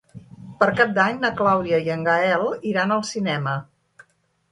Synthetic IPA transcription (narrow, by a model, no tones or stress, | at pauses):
pəɾkap̚d̪aɲnəklawðiəjəŋɡəɛlˠiɾanəlˠsinɛmə